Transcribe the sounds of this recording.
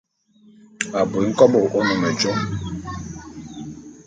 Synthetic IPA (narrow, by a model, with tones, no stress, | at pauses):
a˨bo˨˦ŋ̩˦kɔ˦bɔ˨ʔɔ˦nɔ˨mɛ˨d͡ʒɔ˦